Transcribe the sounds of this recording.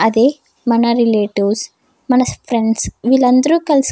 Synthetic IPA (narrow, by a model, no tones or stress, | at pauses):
ɐd̪eː | mɐnɐɾileːʈiʋs | mɐnɐspʰɾeɳɖsʋilːɐnd̪ɐɾuːkɐls